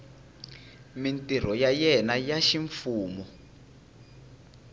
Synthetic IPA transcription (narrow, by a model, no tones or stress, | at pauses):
mintʼir̤ɔjajɛnajaʃiɱfuːmɔ